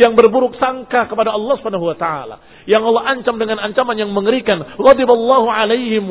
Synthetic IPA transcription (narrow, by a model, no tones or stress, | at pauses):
jaŋbərbuɾʊk̚saŋkakəpadaɑlˠːɑhsupʰanaɦuwat̪aa̰la̰ | jaŋɑlːɔaɲt͡ʃamdəŋanaɲt͡ʃamanjaŋməŋəɾikanɣɑd̪ibalˤːɑɦuʕalejhɪm